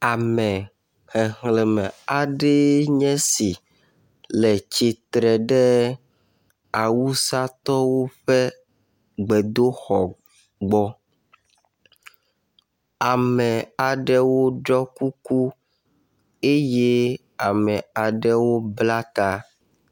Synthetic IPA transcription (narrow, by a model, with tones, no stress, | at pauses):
a˨mɛ̃˨ | hɛ˨ŋle˨mɛ˨a˨ɖɛ˦ɲɛ̃˦si˨ | lɛ˨t͡ʃi˨t̪ɾɛ˨ɖɛ˦ | a˨wu˦sa˦t̪ɔ˦wo˦ɸɛ˦ | ɡ͡bɛ˨d̪o˦xɔ˨ | ɡ͡bɔ˦ | a˨mɛ̃˨a˨ɖɛ˦wo˦ɖɔ˦ku˦ku˦ | e˦je˦ | a˨mɛ˨a˨ɖɛ˦wo˦bla˦t̪a˦